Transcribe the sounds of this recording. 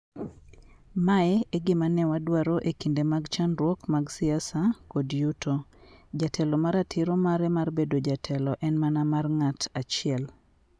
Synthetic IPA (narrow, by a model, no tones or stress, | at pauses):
maɛeɡɪmanɛwadwaɾoʔekindemaɡt͡ʃanɾwɔkmaɡsɪasakodjutod͡ʒatʰɛlɔmaɾatʰɪɾomaɾɛmarbedod͡ʒatʰɛlɔʔɛnmanamarŋatat͡ʃɪɛl